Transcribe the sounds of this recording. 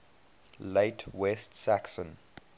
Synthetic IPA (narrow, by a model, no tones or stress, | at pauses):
leɪtʰwɛstsaksə̃n